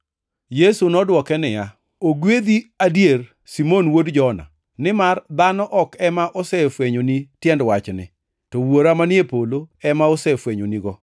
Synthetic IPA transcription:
jesunɔdwɔkɛnɪja | oɡwed̪iadjer | simonwodd͡ʒɔna̰ | nɪmard̪anɔʔɔkɛmaʔɔsɛfweɲonitjɛndwat͡ʃnɪ̰ | tɔwoɾamanjepoloɛmaosɛfweɲoniɡɔ

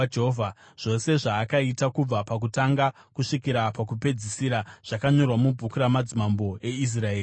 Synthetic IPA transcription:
eɦovʱa | ʐ̥o̞se̞ʐaːkaitakub͡vapak̬utaŋɡa | kuʂikiɾapakupe̞d͡zisiɾaʐ̥akaɲo̞rwamubʱukuɾamad͡zimambo̞e̞is̬raeːi

